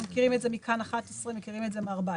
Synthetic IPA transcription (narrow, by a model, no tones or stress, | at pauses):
mekiʁimetzemikʰanaχatesʁimekiʁimetzemeaʁba